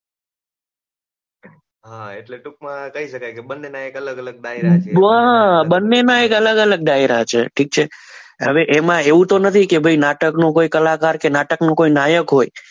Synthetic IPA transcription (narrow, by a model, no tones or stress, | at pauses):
ɦaeʈleʈuk̚mãkəɦiʃəkajkebənːenaekələɡələɡ̚ɖaiɾɾaɦabənːenaekələɡələɡ̚ɖajɾat͡ʃʰḛʈʰik̚t͡ʃʰeɦəʋeʔemãeʋũt̪onət̪ʰikebʱəinaʈəknukoikəlakaɾkenaʈəknũkoinajəkɦoj